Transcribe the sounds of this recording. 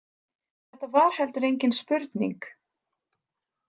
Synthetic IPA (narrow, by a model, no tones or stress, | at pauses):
θɛht̪ːavaɾ̥hɛlt̪ʏɾejɲcɪnspʏɾt̪nḭŋk